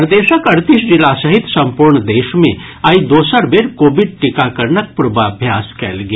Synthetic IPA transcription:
ɾd̪eːʃəkɐɾt̪iʃd͡ʒɪlasɐɦɪt̪sɐ̃mpuɾɳd̪eːʃmḛ̃ | aid̪oːsəɾʋeɾkoːbɪɖ̚ʈɪkakɐɾnək̚pɾʊbaɐbʱjaːskɛ̰ːlɡe

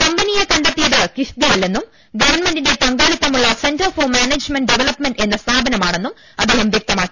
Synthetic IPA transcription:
kɐmbɐnijekɐɳɖɐt̪ːijɐðɨkiʂd̪ijɐlːenːum | ɡɐʋɐrnmenɖinde̞t̪ɐŋɡaːɭit̪ːɐmuɭːɐse̞ndɐrfoːmaːneːd͡ʑmenɖɖeʋɐlɐpmenɖe̞nːɐst̪ʰaːbʱɐnɐmaːɳe̞nːum | ɐd̪ːe̞ːhɐmʋjɐk̚t̪ɐmaːkːi

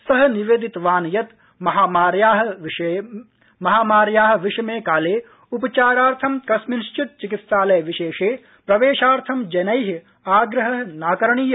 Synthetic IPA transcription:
sɐɦɐ̆niʋeːd̪it̪ʋaːnjɐt̪ | mɐɦaːmaːɾjaːɦɐʋ | mɐɦaːmaːɾjaːɦɐ̆ʋiʃɐmeːkaːleː | upɐt͡ʃaːɾaːɾt̪ʰɐmkɐsminʃt͡ʃit̪̚t͡ʃikit̪saːlɐjʋiʃeːʂeː | pɾɐʋeːʃaːɾt̪ʰɐmd͡ʒɐnɐjɦi | aːɡɾɐɦɐ̆naːkɐɾɐɳiːj

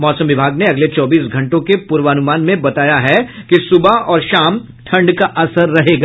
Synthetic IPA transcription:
mɔːsə̃mʋɪbʱaːɡneɐɡlet͡ʃɔːbiːsɡʱɐ̃ɳʈõkepʊɾʋaːnʊmaːnmẽbɐt̪aːjaɦɛkisʊbaɔːɾʃaːm | ʈʰɐ̃ɳɖkaʔɐsəɾːɐɦeːɡaː

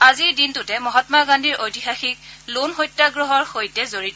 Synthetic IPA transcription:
aziɹdintʊtɛmɔɦɔtmaɡandʱiɹʔojtixaxiklonxojtːaɡɹɔɦɔɹxojtɛzoɹitɔ

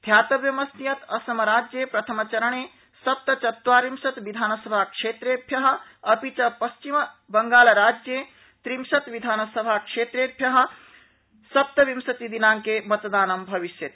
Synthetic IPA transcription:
d̪ʱjaːt̪ɐʋjɐmɐsnijɐt̪ɐsɐmɐɾaːd͡ʒjepɾɐt̪ʰəmət͡ʃɐɾəɳ̃e | sɐp̚t̪ɐt͡ʃɐt̪ːwaːɾimsɐt̪ʋid̪ʱaːnəsəbʱakʂet̪ɾebʰʱjɐɦə̆ɐpit͡ʃɐpɐst͡ʃim | bɐŋɡaːlɾaːd͡ʒje | t̪ɾimsɐt̪ʋid̪ʱaːnsəbʱakʂet̪ɾebʰʱjɐɦə̆ | sɐp̚t̪ɐʋimsɐt̪id̪inaːŋkemɐt̪d̪aːnɐmbʱɐʋisjɐt̪

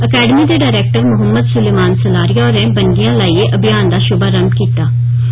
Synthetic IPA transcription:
əkɛːɖəmiːd̪eːɖaːɪɾɛːk̚ʈəɾmʊɦəmːəd̪sʊleːmaːnsəlaːɾijaːɾɛ̃ːbəɳɖɪjãːlaːiːeːʔəbʱɪjaːnd̪aːʃʊbaːɾəmʈkiːt̪aː

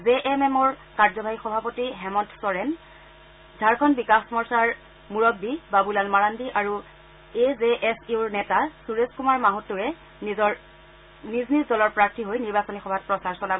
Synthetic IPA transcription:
zeʔɛmɛmɔɹkaɹzɔbʱaɹixɔbʱapotiɦɛmɔntʰsɔɹɛn | dʱaɹkʰɔnbikaxsmɔɹsaɹ | muɹɔbːibabulalmaɹandiʔaɹu | ezeʔɛsiuɹnɛtasuɹeskumaɹmaɦutʊɛ | nizɔɹ | niznizdɔlɔɹpɹak̚tiɦojniɹbasɔnixɔbʱat̚pɹɔsaɹsɔlab

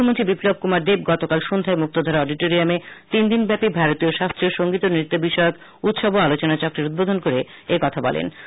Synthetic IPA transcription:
omont̪ɾibiplob̚kumaɾd̪ebɡɔt̪okalʃond̪ʱaemuk̚t̪od̪ʱɔɾaɔɖiʈoɾiamet̪ind̪inbɛpibʱaɾot̪ioʃast̪ɾioʃoŋɡit̪onɾit̪ːobiʃɔok | ut̪ʃoboalot͡ɕonat͡ɕɔkɾiɾud̪̚bod̪ʱonkoɾe | ekɔt̪ʰabɔ̰lḛn

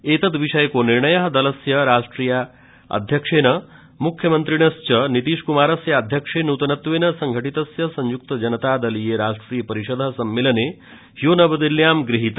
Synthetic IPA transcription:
eːt̪ɐt̪ʋiʂɐjɐkoːniɾɳɐjɐɦɐd̪ɐlɐsjɐɾaːʂʈɾiːja | ɐ̰d̪ʱjɐkʂeːnɐ | mukʰjɐmɐnt̪ɾiɳɐst͡ʃɐnit̪iːʂkumaːɾɐsjɐːd̪ʱjɐkʂeːnuːt̪ɐnɐt̪ʋeːnɐsɐŋɡʱɐʈit̪ɐsjɐsɐɲjuk̚t̪ɐd͡ʒɐnɐt̪aːd̪ɐlijeːɾaːʂʈɾiːjɐpɐɾiʃod̪ʱɐɦɐsɐmːeːlɐneː | ɦjoːnɐbɐd̪iljaːmɡɾiɦit̪

